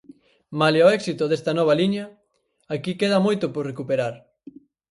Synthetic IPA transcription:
maleoɛksit̪ʊðest̪ɐnɔβ̞ɐliɲɐ | akikeðɐmojt̪ʊpoɾrekupeɾaɾ

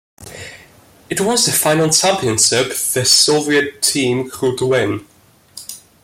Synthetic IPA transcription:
ɪʔwɒzðəfãɪ̃nəl̩ˠt͡ʃʰãmpiə̃nʃɪpðəsoʊviətʰĩːmkʰɹuːdwɪ̃n

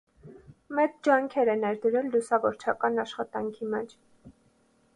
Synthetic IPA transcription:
mɛt͡sd͡ʒɑŋkʰɛɾɛnɛɾd̪əɾɛlːusɑvɔɾt͡ʃʰɑkɑnɑʃχɑt̪ɑŋkʰimɛt͡ʃʰ

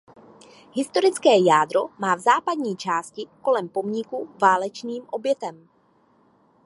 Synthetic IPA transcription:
ɦɪst̪o̞ɾɪt͡skɛːjaːd̪ɾomaːvzaːpadɲiːt͡ʃaːscɪko̞lɛmpo̞mɲɪkuvaːlɛt͡ʃniːmʔo̞bjɛt̪ɛm

